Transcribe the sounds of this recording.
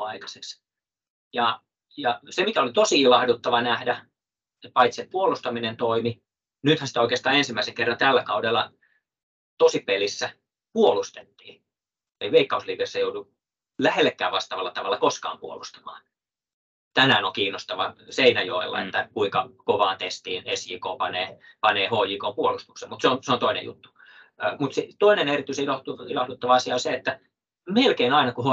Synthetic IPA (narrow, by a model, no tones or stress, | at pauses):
ɑikɑ̥se̥ks | jɑ | jɑsemikæolit̪osiilɑhdut̪ːɑʋɑnæhdæ | et̪pɑit̪seppuolust̪ɑminent̪oimi | nyt̪hænsit̪æoikest̪ɑːensimːæiseŋkerːɑnt̪ælːækɑudelːˑɑ | t̪osipelisːæ | puolust̪et̪ːiː | ḛiʋeikːɑusliːkesːɑjoudu | læhelːekːæ̰ːʋʋɑst̪ɑːʋɑlːɑt̪ɑʋɑlːɑkoskɑ̰ːmpuolust̪ɑ̥mɑ̰ː | t̪ænæːnoŋkiːnːost̪ɑʋɑseinæjo̰ilːɑ̰ḛt̪ːækuiŋkɑkoʋɑːnt̪est̪iːnesjiːkoːpɑneːpɑneːhoːjikompuolust̪u̥ksemut̪seonseont̪oinḛjṵt̪ːu̥ː | mut̪set̪oinenerit̪ːˑyiseilɑh̪uilɑhdut̪ːɑʋɑɑsiɑoseet̪ːæ | melkeinɑinɑkuho